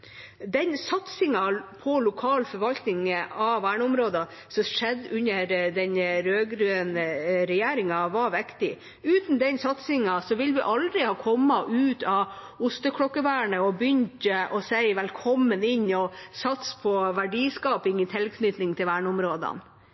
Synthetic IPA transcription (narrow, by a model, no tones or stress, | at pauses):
d̪ɛnsɑt̪sɪŋɑpʰɔlʊkʰɑːlfɔɾʋɑlt̪nɪŋɑʋæːɳəʊmɾoːd̪ɑ | sɔʂɛd̪ːʉnːəɾd̪ɛnɾøːɡɾʉːənɾɛjeːɾɪŋɑʋɑɾʋɛkt̪ɪ | ʉːt̪n̩d̪ɛnsɑt̪sɪŋɑsɔʋɪlʋɪʔɑld̪ɾɪhɑːkʰɔmːɑʔʉːt̪ɑʊst̪əkʰɽɔkːəʋæːɳəɔbjʏnʲt̪əʔɔsæɪʋɛlkʰɔmːənɪɲːɔsɑt̪spʰɔʋæɖiːskɑːpɪŋɪt̪ʰɪlkʰnʏt̪nɪŋt̪ʰɪlʋæːɳəʊmɾoːd̪ɑ̰n